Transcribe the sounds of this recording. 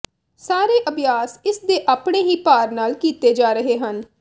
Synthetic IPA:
saːɾeːʔəbʱjaːsɪsd̪eːʔaːpɽeːɦiːpaːɾnaːlkiːt̪eːd͡ʒaːɾəɦeːɦən

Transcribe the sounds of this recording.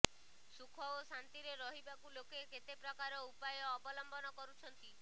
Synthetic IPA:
sukʰɔosant̪iɾeɾɔɦibakulokeket̪epɾɔkaɾɔupajɔːbɔlɔmbɔnɔkɔɾut͡ʃʰɔnt̪i

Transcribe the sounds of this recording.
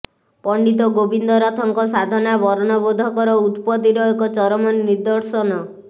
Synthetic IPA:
pɔɳɖit̪̬ɔɡobind̪ɔɾɔt̪ʰɔŋkɔsad̪ʱɔnabɔɾɔnɔbod̪ʱɔkɔɾɔut̪pɔt̪iɾɔekɔt͡ʃɔɾɔmɔnːiɾd̪ɔɾsɔnɔ

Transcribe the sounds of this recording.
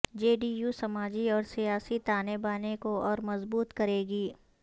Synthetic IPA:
d͡ʒeːɖiːjuːsɐmaːd͡ʒiɔːɾsijaːsit̪aːnebaːnekoɔːɾmɐzbuːt̪kɐɾeːɡiː

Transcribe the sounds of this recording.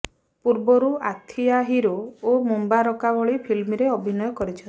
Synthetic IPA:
puɾbɔɾuat̪ʰijaɦiɾuomumbaɾɔkabɔɭipʰilmiɾeɔbʱinɔjɔkɔɾit͡ʃʰɔ

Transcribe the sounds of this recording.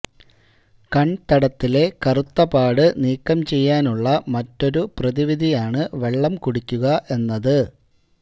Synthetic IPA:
kɐɳt̪ɐɽɐt̪ːile̞kɐrut̪ːɐbaːɽɨniːkːɐmt͡ɕe̞jːaːnuɭːɐmɐtːo̞ɾuprɐðiʋid̪ʱijaːɳɨʋe̞ɭːɐmkuɽikʲːuɣɐʔe̞nːɐðɨ

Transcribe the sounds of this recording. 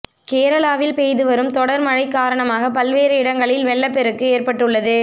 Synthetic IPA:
keːɾɐɭaːʋɪlpeːjðɯʋɐɾɯmt̪ɔɽɐɾmɐɻɐɪkːaːɾɐɳɐmaːɣɐpɐlʋeːɾɐɪɽɐŋɡɐɭɪlʋɛɭːɐpɛɾɯkːɯeːɾpɐʈːɯɭːɐðɯ

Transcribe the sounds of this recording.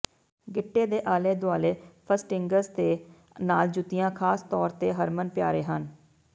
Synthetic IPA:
ɡɪʈːeːd̪eːʔaːleːd̪ʊaːleːpʰəsʈɪŋɡəzd̪eː | naːld͡ʒʊt̪ɪjãːkʰaːst̪ɔːɾt̪eːɦəɾmənpɪjaːɾeːɦən

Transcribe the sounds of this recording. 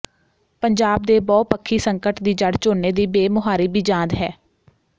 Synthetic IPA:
pəɲd͡ʒaːb̚d̪eːbɔːpəkʰːiːsəŋkəʈd̪iːd͡ʒəɽt͡ʃoːneːd̪iːbeːmʊɦaːɾiːbid͡ʒãːnd̪ɦɛː

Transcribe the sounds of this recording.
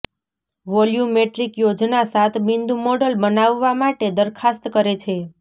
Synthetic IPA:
ʋɔljumeʈɾikjod͡ʒnasat̪ʰmind̪umoɖəlbənaʋːamaʈed̪əɾkʰast̪kəɾet͡ʃʰe

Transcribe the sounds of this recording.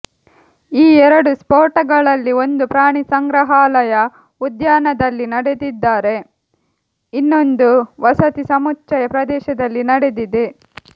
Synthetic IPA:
iːɛɾɐɽuspoːɾʈɐɡɐɭɐlːio̞nd̪upɾaːɳisɐŋɡɾɐɦaːlɐjɐ | ud̪jaːnɐd̪ɐlːinɐɽe̞d̪id̪ːaːɾe̞ | inːo̞nd̪uʋɐsɐt̪isɐmut͡ʃːɐjɐpɾɐd̪ɛːʃɐd̪ɐlːinɐɽe̞d̪id̪e

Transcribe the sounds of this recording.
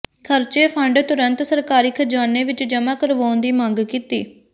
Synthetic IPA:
kʰəɾt͡ʃeːpʰəɳɖt̪ʊɾənt̪səɾkaːɾiːkʰəd͡ʒaːneːʋɪt͡ʃd͡ʒəmaːkəɾʋõːnd̪iːmə̃ŋɡkiːt̪iː

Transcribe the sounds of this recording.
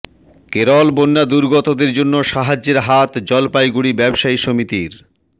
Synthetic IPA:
keɾɔlbonːad̪uɾɡɔt̪od̪eɾd͡ʑonːoʃaɦad͡ʑːeɾɦat̪d͡ʑɔlpajɡuɽibɛbʃaiʃomit̪iɾ

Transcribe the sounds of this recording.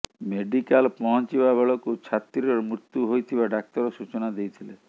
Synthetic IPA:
meɖikalpɔɦɔnt͡ʃibabeɭɔkut͡ʃʰat̪ɾiɾɔmɾut̪juɦojt̪ʰibaɖak̚t̪ɔɾɔsut͡ʃɔnad̪ejt̪ʰile

